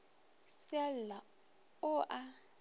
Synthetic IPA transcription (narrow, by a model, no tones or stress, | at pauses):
sjalla | ʊʔa